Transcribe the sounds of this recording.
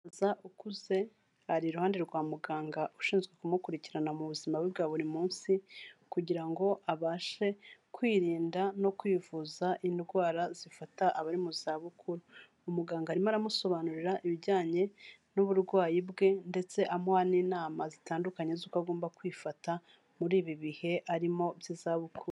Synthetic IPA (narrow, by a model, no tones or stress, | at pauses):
zaʔukuze̞ | haɾiɾuhaːnde̞ɾɡwaːmuɡaːŋɡaʔuʃiːnzɡwe̞kumukuɾiciɾanamuβuzimaβwiβɡaːβuɾimuːnsikuɟiɾaŋɡo̞ʔaβaːʃe̞kwiːɾiːndano̞kwiːvuːzaʔindɡwaːɾazifataʔaβaɾimuzaːβukʰuɾu | umuɡaːŋɡaɾimaɾamuso̞βaːnuɾiɾaʔiβiɾɟaːɲe̞nuβuɾɡwaːjibɡe̞nde̞t͡se̞ʔamohaniːnaːmazitaːndukaɲe̞zukaɡoːmbakwiːfata | muɾiːβiβihe̞ʔaɾimo̞bjizaβukʰuɾu